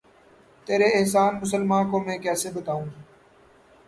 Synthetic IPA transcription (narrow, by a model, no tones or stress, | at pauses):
t̪eːɾeːɪɦs̬aːnmʊs̬əlmãːkoːmẽːkɛːsebət̪aːũː